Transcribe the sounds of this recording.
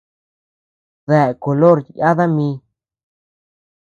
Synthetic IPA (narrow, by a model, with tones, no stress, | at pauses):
ðɛ˨ko˨lo˦ɾja˦d̪a˦mi˧